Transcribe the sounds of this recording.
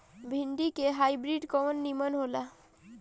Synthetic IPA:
bʱiɳɖikeɦajbɾiɖkɔmənːimənɦola

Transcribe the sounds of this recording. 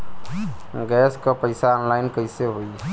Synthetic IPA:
ɡɛskɔpəjsaɔnlaɪnkəjseɦoj

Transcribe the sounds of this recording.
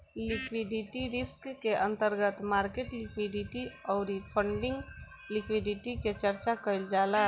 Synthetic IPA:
lɪkwɪɖɪʈiɾɪskːeʔə̃nt̪əɾɡət̪maːɾkeʈlɪkwiɖɪʈiɔːɾipʰə̃ɳɖɪ̃ŋɡ | lɪkwɪɖɪʈiket͡ʃəɾt͡ʃakəld͡ʒaːla

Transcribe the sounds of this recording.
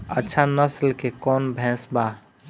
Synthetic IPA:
ə̰tːʃʰanəslkekɔːnbʱɛ̃sba

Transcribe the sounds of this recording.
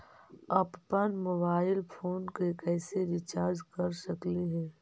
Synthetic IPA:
ɐppənmoːbaːɪlpʰoːnkekɛːseɾɪt͡ʃaːɾd͡ʒkɐɾʃɐkleɦɛː

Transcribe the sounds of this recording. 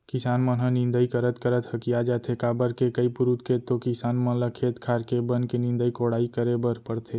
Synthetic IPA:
kɪsaːnmə̃nɦə̃nɪ̃nd̪əikəɾət̪kəɾət̪həkijad͡ʒaːt̪ʰekaːbəɾkekəipʊɾut̪kʰet̪okɪsaːnmə̃ləkʰeːt̪kʰaːɾkebənkenɪ̃nd̪əikoɽaːikəɾebəɾpəɽt̪ʰe

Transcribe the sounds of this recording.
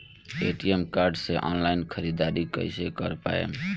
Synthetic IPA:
eʈiemkaɾɖseʔɔnlaɪinkʰəɾid̪aɾikə̰ɪsekəɾpa̰ḛm

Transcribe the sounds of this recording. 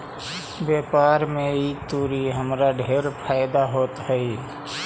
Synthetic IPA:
bjeːpaːɾmẽiːt̪uːɾiɦəmɾaɖʱeːɾpʰaːɪd̪aɦoːt̪ɦəi

